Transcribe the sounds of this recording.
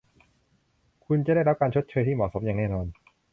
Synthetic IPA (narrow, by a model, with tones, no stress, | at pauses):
kʰu˧nt͡ɕa˨da˥˩jɾa˦˥p̚kaː˧nt͡ɕʰo˦˥t̪̚t͡ɕʰɤː˧jt̪iː˥˩mɔː˨˩so˦˥p̚jaː˨˩nɛː˥˩nɔː˧n